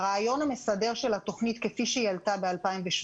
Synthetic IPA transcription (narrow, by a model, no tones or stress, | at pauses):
ʁeajo̞name̞sade̞ʁ̞ʃe̞lat̪o̞χnit̪kefiʃejalt̪abealpaimveʃ